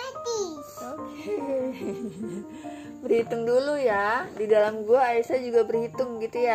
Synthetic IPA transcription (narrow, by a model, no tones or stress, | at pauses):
ati | oke | bərhit̪ʊŋdulujadidalamɡuaːisad͡ʒuɡabərhit̪ʊŋɡit̪uja